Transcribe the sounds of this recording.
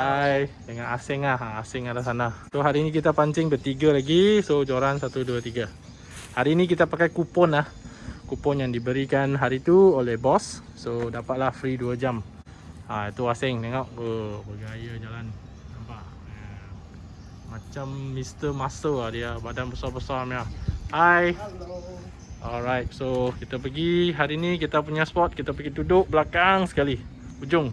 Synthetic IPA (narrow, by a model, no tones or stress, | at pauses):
ajdəŋanasɛŋahaasɛŋadasanahsoɦaɾiːnik̬it̪apaɲt͡ʃɪŋbərt̪iɡalaɡisod͡ʒoɾansat̪uduat̪iɡa | haɾiːnik̬it̪apakajkupɔnah | kupɔnjaŋdibəɾikanɦaɾit̪uolɛhbɔsː | odapat̪̚lahfɾiduad͡ʒam | ait̪uasɪŋt̪eŋɔʔəbəɡaajad͡ʒalan | nampaʔ | mat͡ʃamːist̪əmasəadiabadanbəsabəsarmiaʔaj | ɔlɾajt̪̚sokit̪apəɡiɦaɾiːnikit̪apuɲaspɔt̪̚kit̪apəɡit̪udʊʔ̚blakaŋsə̥kaliud͡ʒʊŋ